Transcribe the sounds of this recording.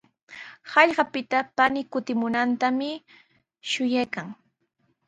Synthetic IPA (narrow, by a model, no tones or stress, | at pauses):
hɑʎɢɑpɪt̪apanɪkʊt̪ɪmʊnant̪amɪ | ʃʊjajkaŋ